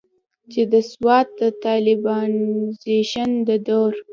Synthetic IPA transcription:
t͡ʃed̪əswɑt̪̚d̪ət̪ɑlɪbɑnzeʃand̪əd̪oɾ

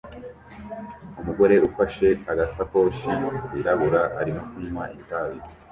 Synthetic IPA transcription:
umuɡo̞ɾe̞ʔufaʃe̞aɡasapo̞ːʃiwiɾaβuɾaaɾimokunwaʔitaːzi

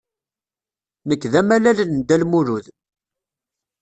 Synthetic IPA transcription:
nəkːðæmælælənd̪ælmuɾuð

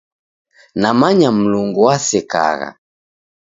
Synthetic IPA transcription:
namaɲam̩luŋɡuwasɛka̰ɣa̰

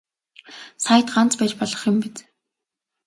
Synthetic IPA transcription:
sajə̆t̪ɢant͡spæt͡ɕpɔɮɞ̆χjʊ̆mpit͡s

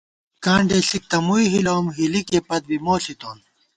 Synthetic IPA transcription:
kãːɳɖeːsik̚t̪ɐmuiɦiloːmɦilikeːpɐd̪̚bimoːsit̪oːn

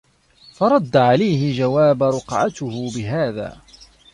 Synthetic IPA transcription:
fɑɾˤɑd̪ːaʕalajhɪd͡ʒawaːbɾˤʊqʕa̰t̪ʊhʊbɪɦaːða̰ː

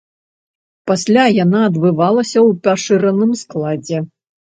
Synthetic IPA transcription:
pasʲlʲajanaɐd̪bɨvalˠɐsʲɐwpʲaʂɨɾɐnɨmsklˠad͡zʲɛ

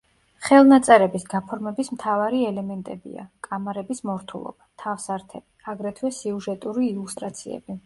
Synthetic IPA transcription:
χɛlˠnat̪sʼɛɾɛbisɡapʰɔɾmɛbismt̪ʰavaɾiɛlɛmɛnt̪ʼɛbḭa̰kʼamaɾɛbismɔɾt̪ʰulˠɔ̰b̥at̪ʰafsaɾt̪ʰɛbiaɡɾɛt̪ʰwɛsiuʒɛt̪ʼuɾiːlust̪ʼɾat̪sʰḭɛ̰b̥i

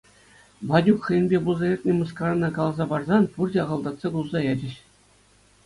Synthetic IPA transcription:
bɑdʲukχɤ̆jɘ̆nbʲebulˠzɑjʲetʲnʲĕmuskrnːɑkɑlˠɑzɑpɑrzɑnpurdʲeɑʁɑlˠd̪ɑt̪sɑɡulˠzɑjed͡ʑɘ̆ɕ

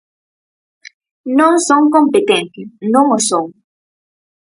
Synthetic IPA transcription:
nõŋsõŋkõmpet̪ẽnt̪ɪnõŋosõŋ

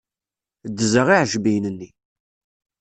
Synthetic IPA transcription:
d̪ːəzəʁiʕʒbijnənːi

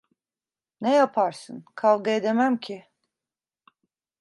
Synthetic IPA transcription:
nejapʰaɾsɯ̰nkʰalˠɡaed̪emæmcʰi

